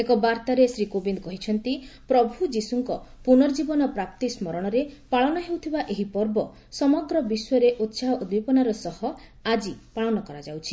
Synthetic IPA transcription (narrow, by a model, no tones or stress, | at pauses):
ekɔbaɾt̪aɾesɾikobind̪ɔkɔɦit͡ʃʰɔnt̪ipɾɔbʱud͡ʒisuŋkɔpunɔɾd͡ʒibɔnɔpɾap̚t̪ismɔɾɔɽ̃ɔɾepaɭɔnɔɦewt̪ʰibaʔeɦipɔɾbɔ | sɔmɔɡɾɔbiswɔɾeʔot̪ːsaɦɔud̪bʱipɔnaɾɔsɔhɔad͡ʒipaɭɔnɔkɔɾad͡ʒawt͡ʃʰi̥